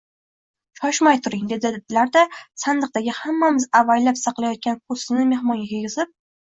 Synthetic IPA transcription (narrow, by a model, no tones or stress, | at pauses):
t͡ʃʰɒʃmajt̪ʰʊɾɪŋd̪e̞d̪ɪlaɾd̪asand̪ɨq̚d̪aɡʲɪhamːamɪzavajlapsɑqlˠajɒt̪̚kʲanp̚ʰʊsɪnɪme̞hmɒŋɡʲakʲʰeɡʲɪzɪp̚